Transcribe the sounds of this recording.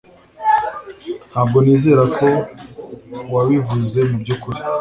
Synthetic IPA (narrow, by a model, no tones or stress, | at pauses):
nhaːbɡo̞niːze̞ːɾakʰo̞ | waβivuze̞mubɟukuɾi̥